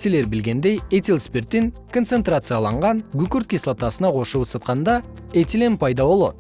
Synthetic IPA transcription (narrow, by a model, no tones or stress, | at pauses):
sele̞ɾbɪlɡʲe̞nd̪ejet̪ʲelˠspʲert̪ːeŋkʰo̞nt̪se̞nt̪rat̪sɨjɑlˠɑɴʁɑŋɡʲʉkʲuɾt̪̚kʲeslˠat̪ɑsənɑqʰo̞ʃusət̪̚qɑnd̪ɑ | et̪ʲilenpʰɑjd̪ɑbo̞lˠɑ̰d̪ə